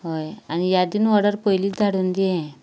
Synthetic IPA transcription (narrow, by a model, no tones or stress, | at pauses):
ɦojanijad̪inʋɔɽəɾpojliːd̪ʱaɽuːnd̪iɛ̃